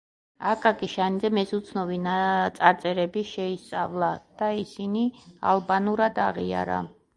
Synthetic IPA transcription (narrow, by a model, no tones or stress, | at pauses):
akʼakʼiʃanizɛmɛsut̪sʰnɔvinat̪sʼaɾt̪sʼɛɾɛbiʃɛist̪sʼavlˠad̪̥aisinia̰lˠbanuɾad̪aʁia̰ɾa̰